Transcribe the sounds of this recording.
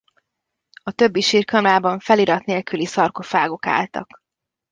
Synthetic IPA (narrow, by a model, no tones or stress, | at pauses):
ɒt̪ø̞bːiʃiːrkɒmlaːbɒɱfɛliɾɒt̪neːlkylisɒrkofaːɡo̞ka̰ːlt̪ɒ̰k